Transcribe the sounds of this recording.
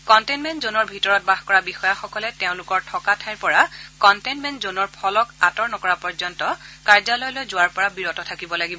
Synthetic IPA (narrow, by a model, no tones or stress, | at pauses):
kɔntenmɛntzonɔɹbʱitɔɹɔt̚baxkɔɹabixɔjaxɔkɔlɛteʊ̃lʊkɔɹtʰɔkatʰajɹpɔɹakɔntenmɛntzonɔɹpʰɔlɔkatɔɹnɔkɔɹapɔɹzɔntɔkaɹzalɔjlojzʊwaɹpɔɹabiɹɔtɔtʰakibɔlaɡibɔ